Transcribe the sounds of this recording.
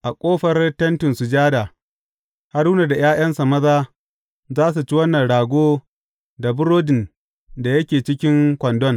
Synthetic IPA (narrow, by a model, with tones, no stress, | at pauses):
ʔa˨kʷʼoː˦ɸɐ˦rtɐ˦ntɪ˨nsu˨d͡ʒaː˦daː˨ | ha˦ruː˦na˨da˨j̰aː˦j̰ɐ˦nsa˨mɐ˦zaː˦ | zaː˦s̬u˨t͡ʃi˦wɐ˦nːɐ˨nɽaː˨ɡʷoː˦ | da˨bʊ˦ɾoː˦dɪ˨n | da˨jɐ˦kʲeː˨t͡ʃɪ˦kʲɪ˦ŋkʷɐ˨ndɔ˦n